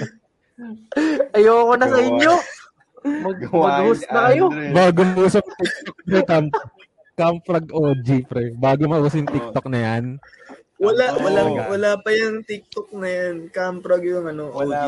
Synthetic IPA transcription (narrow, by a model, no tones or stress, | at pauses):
ʔɐjoːkonɐsɐɪɲjo̞ | mɐɡmɐɡʊsnɐkɐjo̞baːɡomɐʔuːsɐp̚t̪ɪk̚t̪ok̚pɾɛkamp | kampɾɐɡʔod͡ʒipɾɛbaːɡomɐʔuːsɐjʊŋt̪ɪk̚t̪ok̚nɐjan | wɐlawɐlawɐlaːpɐjɐŋt̪ɪk̚t̪ok̚nɐjankampɾɐɡjʊŋɐno